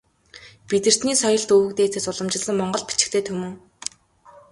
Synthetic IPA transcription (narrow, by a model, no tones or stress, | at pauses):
pit̪ɘ̆r̥t̪niːsɔjɞ̆ɬt̪ɵwɵ̆kt̪eːt͡s̪ʰesʊɮɞ̆mt͡ɕɪ̆ɮə̆ŋmɔɴɢɞ̆ɮpi̥t͡ɕɪ̆kt̪ʰeːt̪ʰɵmɵ̆ŋ